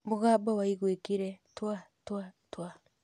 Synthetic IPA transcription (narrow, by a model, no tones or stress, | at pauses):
boɡabawaiɡwekiɾetuatuatua